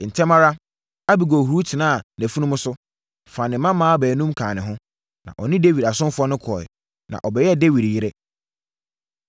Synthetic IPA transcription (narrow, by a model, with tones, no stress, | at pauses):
n̩˨tʰɛ˦mã˦ɾa˦ | a˦bi˨ɡɔ˨hu˨ɾu˦tʰɪ˨nã˦a˨næ˨fu˦nʊ̃˦mʊ̃˦sʊ˦ | fã˨nɪ̃˨mã˦mãː˦bæː˨nũ˦mkʰãː˨nɪ̃˨ɦʊ̃˦ | nã̰˨ʔɔ˨nɪ̃˦de˦wi˨da˨sʊ̃˦nfʊ˦ɔ˦nʊ̃˦kʰɔ˨ɛ̰˨ | nã̰˨ʔɔ˨bɛ˨jɛ˦˨de˦wi˨dji˦ɾɛ˦